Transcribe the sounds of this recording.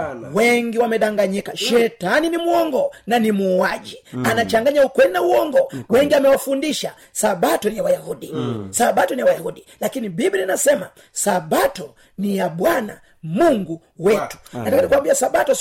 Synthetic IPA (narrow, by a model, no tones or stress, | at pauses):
wɛŋɡiwamɛɗaŋɡaɲikaʃɛtaninimuɔŋɡɔnanimuaʄianat͡ʃaŋɡaɲaukwɛinauwɔŋɡɔwɛŋɡiamɛwafundiʃa | saɓatɔnijawajahudisaɓatɔnijawajahuɗilakinibibininasɛma | saɓatɔ | nijaɓwana̰ | muŋɡu | wɛtu̥atakanikuwambiasaɓatɔ